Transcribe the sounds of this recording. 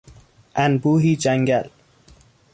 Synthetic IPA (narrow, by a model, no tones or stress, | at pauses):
ʔænbuːɦiːd͡ʒæŋɡæl